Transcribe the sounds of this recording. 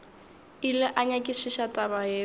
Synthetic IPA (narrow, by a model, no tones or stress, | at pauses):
ilɛʔaɲakʼɪʃiʃatʼaβajɛː